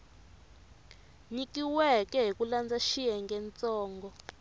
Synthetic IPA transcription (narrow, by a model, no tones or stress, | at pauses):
ɲikiwɛkɛɦikuland͡zaʃiɛŋɡɛnt͡sɔːŋɡɔ